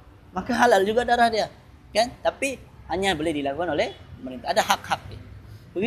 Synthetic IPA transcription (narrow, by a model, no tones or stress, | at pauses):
makaɦalald͡ʒuɡadaɾahdia | kant̪apihaɲabolɛhdilakukanolɛhəməɾint̪aadahak̚hak̚ibəɡi